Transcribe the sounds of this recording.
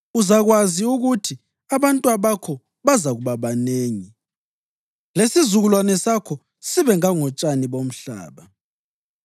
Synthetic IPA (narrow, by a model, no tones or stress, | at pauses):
uzaɣwaziuɣutʰi | aβantʼwaβakʰɔ | βazaɣuβaβaneːŋi | lesizuɣulwanɛsakʰɔ | siβɛŋaŋɔt͡ʃʼaniβom̩ɬa̰ːβa